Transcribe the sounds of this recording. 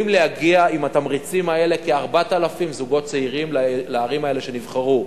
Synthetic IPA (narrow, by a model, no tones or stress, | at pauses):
imleaɡiaimat̪amʁit͡simae̞le̞keaʁbat̪alafimzuɡo̞t̚t͡seiʁimllaːʁimae̞le̞ʃe̞nivχaʁu